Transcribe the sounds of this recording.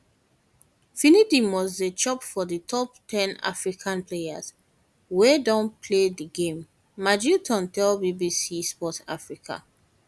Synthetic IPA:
finidimwɔzdet͡ʃɔpfɔðitʰɔp̚tʰɛ̃na̰fɹikʰãnpʰleja̰z | wedɔ̃npʰlediɡẽmː | ad͡ʒitʰɔ̃ntɛlbibisispɔta̰fɹikʰa̰

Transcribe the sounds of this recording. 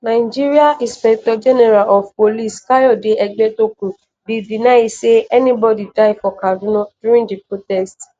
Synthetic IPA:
nãɪd͡ʒiɾiaʔispɛk̚tɔd͡ʒɛnɛɾalʔɔfpoliskajɔdeɛɡ͡bɛtokũ | bidinãiseɛnĩbɔdidaifɔkadunɔ̃duɾĩdipɾotɛst

